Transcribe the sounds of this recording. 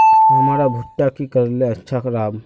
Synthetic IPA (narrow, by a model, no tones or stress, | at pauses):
ɦəmaɾabʱuʈːakikəɾleətːʃʰakɾab